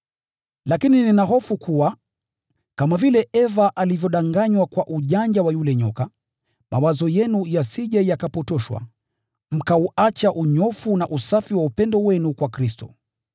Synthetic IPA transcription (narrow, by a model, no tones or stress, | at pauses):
lakinininaɦɔfukʰuwa | kamavilɛʔɛvaʔalivjɔɗaŋɡaɲwakwaʔuʄaɲd͡ʒawajulɛɲɔ̰ka | mʔa̰wazɔjɛnujasiʄajakapɔtɔʃwa̰ | m̩kauat͡ʃaʔuɲɔfunaʔusafiwaupɛndɔwɛnukwakɾistɔ̰